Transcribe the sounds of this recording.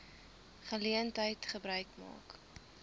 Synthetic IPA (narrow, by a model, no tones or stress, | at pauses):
χəliəntɦəjtχəbɾœɥkmɑ̰ːk